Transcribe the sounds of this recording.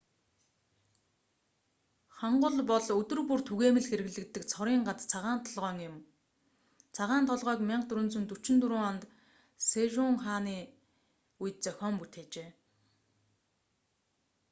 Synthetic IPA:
χaɴɢʊ̆ɮpɔɮɵt̪ɵ̆rpur̥t̪ʰuɣeːmɘ̆ɮxeɾɘ̆ɣɮɘ̆kt̪ːɘ̆kt͡sʰɔɾiːŋɢat͡st͡sʰaʁaːn̥t̪ʰɔɮʁœːŋʊm | t͡sʰaʁaːnt̪ʰɔɮʁœːkmʲɪɴɢt̪ɵɾɵ̆nt͡sɵ̆nt̪ɵt͡ɕɪ̆nt̪uɾuːŋant̪ | seʒʊŋχaːniː | ujt̪̚t͡sœxʲɔːmput̪ʰeːt͡ɕeː

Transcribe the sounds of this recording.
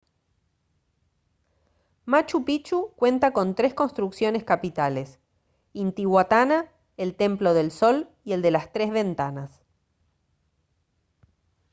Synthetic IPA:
mat͡ʃupit͡ʃukwe̞nt̪ako̞nt̪ɾe̞sko̞nst̪ɾuksjo̞ne̞skapit̪ales | int̪iɣwat̪ana | elt̪e̞mplo̞ðe̞lso̞l | ie̞ld̪e̞last̪ɾe̞zβe̞nt̪anas

